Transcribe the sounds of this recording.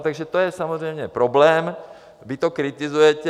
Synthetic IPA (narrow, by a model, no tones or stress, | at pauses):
t̪aɡʒɛt̪ojɛsamɔzɾɛjmɲɛpɾɔblɛːm | ʋit̪okɾit̪izujɛcɛ